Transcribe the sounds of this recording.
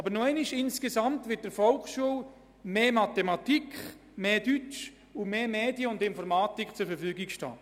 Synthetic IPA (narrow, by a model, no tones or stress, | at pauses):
ɑbəɾnoɛɪnɪʃɪnskesɑmtʋɪt̚d̥əɾfɔlkʃuəl | meːmat̪emɑtikχ | meːdyt͡ʃ | ʊmeːmeːdjəʊndɪnfɔɾmaːtikt͡sʊɾfəɾfyːɡikʃtɑ̰ː